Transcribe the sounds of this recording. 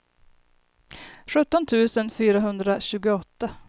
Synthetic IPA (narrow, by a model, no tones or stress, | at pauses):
ɧɵt̪ːɔnt̪ʰʉ̟ːsənfyːɾaɦɵnd̪ɾaɕʉ̟ːɡʊɔt̪ːa